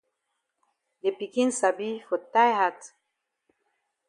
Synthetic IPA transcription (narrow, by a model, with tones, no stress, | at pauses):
de˨pi˨ki˦n̩˦sa˨bi˦fo˨ta˦jha˦t